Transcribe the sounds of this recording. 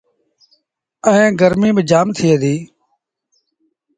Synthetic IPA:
əẽːɡəɾmiːbɪd͡ʒaːmt̪ʰiːɦəd̪iː

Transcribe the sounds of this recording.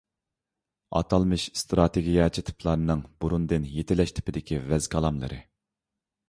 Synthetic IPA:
ɑ̰t̪ʰɑlˠmɨʃst̪ɾɑt̪ʰeɡʲijɑt͡ʃʰit̪ʰɨ̥pʰlˠɑɾɨnɨŋbuɾund̪ɨnjet̪ʰɪlɛʃt̪ʰɪ̥pɪd̪ɪkʲʰivɛz̥kʰɑlˠɑmlˠɨ̰ɾʔɨ̰

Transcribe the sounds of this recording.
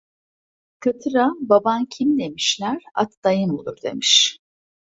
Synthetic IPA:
kʰat̪ʰɯɾababancʰimd̪e̞miʃlʲæɾa̰t̪d̪ajɯnbulˠuɾd̪e̞̰miʃ

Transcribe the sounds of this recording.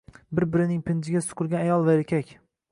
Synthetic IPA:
bɪɾbɪɾɪnɪŋpʰɪnd͡ʒ̪ɪɡʲasʊ̥qʰʊɾɡʲanajɒlˠvaeɾkʲʰakʲ

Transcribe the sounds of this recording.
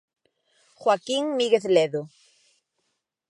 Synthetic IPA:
xwakiŋmiɣeθleðo

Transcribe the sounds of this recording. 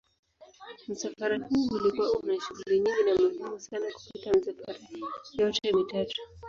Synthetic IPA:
m̩safaɾahuːulikuwaunaʃuɡuliɲiŋɡinamaɡumusanaku̥patamisafaɾajɔtɛmitatu̥

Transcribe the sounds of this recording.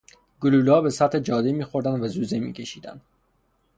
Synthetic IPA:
ɡuluːlɒːbesæt̪ʰed͡ʒɒːd̪imiːxoɾd̪ænd̪væzuːzemḭːkʲʰeʃiːd̪æ̰nd̪̥

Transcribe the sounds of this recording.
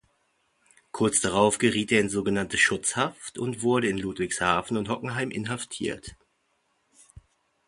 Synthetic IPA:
kʰʊɐt͡sd̥aʁaʊfɡ̥əʁiːteːɐɪnzoːɡənantəʃʊt͡shaftʊ̰ntv̥ʊɐɾəɪnluːtv̥ɪçshaːfn̩ʊnthɔkŋ̩ɦaɪmʔɪ̰nɦaftʰḭːɐt

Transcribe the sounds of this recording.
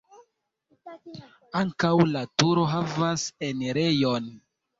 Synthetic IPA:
aŋkawlatuɾo̞ɦavasenɾejon

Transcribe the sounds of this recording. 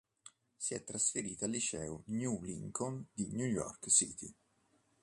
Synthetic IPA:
siɛt̪ːɾasfeɾiːt̪aːlːit͡ʃɛːunjulḭŋkʰɔnd̪injujɔ̰rksḭt̪i

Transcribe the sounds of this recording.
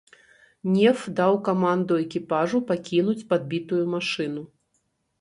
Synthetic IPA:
nʲɛfd̪awkamand̪uɛkʲipaʐupakʲinut͡sʲpad̪̚bʲit̪ujumaʂɨnu

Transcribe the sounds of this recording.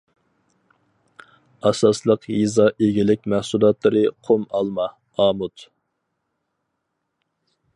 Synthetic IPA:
ɑsɑslˠəqjizɑʔeɡʲilɪk̚ʲmæhsulˠɑt̪lˠɨɾɨqʰomɑlˠmɑ | ɑːmut̪

